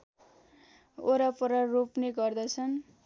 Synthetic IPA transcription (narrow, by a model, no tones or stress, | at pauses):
oɾapʌɾʌropneɡʌrd̪ʌt͡sʰʌn